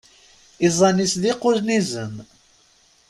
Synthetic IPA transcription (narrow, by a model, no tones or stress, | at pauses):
izˤɑnisðiqʊznizən